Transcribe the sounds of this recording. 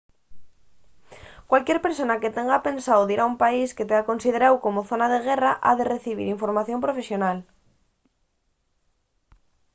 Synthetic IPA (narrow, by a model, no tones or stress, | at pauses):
kwalkjeɾpeɾsonaket̪eŋɡapẽ̞nsawðiɾaumpaisket̪eakonsið̞eɾawkomoθonaðeɣ̞eraʔa̰ðereθiβ̞ḭɾiɱfoɾmaθjõmpɾofesjonal